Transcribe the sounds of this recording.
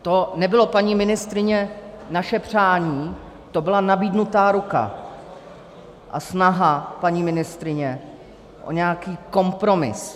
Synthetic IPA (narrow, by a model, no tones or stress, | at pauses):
t̪o̞nɛbɪlo̞paɲiːmɪnɪst̪ɾɪɲɛnaʃɛpr̝̥aːɲiː | t̪o̞bɪlanabiːdnut̪aːɾuka̰ | ʔa̰snaɦapaɲiːmɪnɪst̪ɾɪɲɛ | ʔo̞̰ɲɛakiːko̞mpɾo̞mɪ̰s